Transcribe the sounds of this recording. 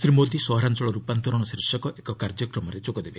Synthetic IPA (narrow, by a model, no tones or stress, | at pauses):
sɾimod̪isɔɦɔɾant͡ʃɔɭɔɾupant̪ɔɾɔɽ̃ɔsɾisjɔkɔʔekɔkaɾd͡ʒɔkɾɔmɔɾed͡ʒoɡɔd̪ebe